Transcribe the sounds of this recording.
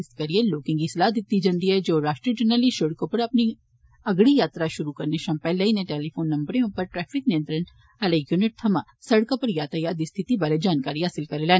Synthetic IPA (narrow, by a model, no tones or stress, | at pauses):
ɪskɐɾijeloːkɪ̃ŋɡislaːd̪ɪt̪ːid͡ʒɐ̃nd̪iɦɛd͡ʒoːɾaːʃʈɾid͡ʒəɾnəliʃoɽkõpɐɾɐpni | ɐɡɽijaːt̪ɾaʃʊɾukɐɾneʃɐ̃mpɛːlːeinẽʈeːlifʰoːnːɐ̃mbɾijõpɐɾʈɾɛːfʰɪknɪjə̃nt̪ɾən | ɐleɡjunɪʈ̚t̪ʰɐma | sɐɽkõpɐɾjaːt̪ajaːd̪ist̪ʰɪt̪ibaːɾed͡ʒaːnkaːɾiɦaːsɪlkɐɾeleː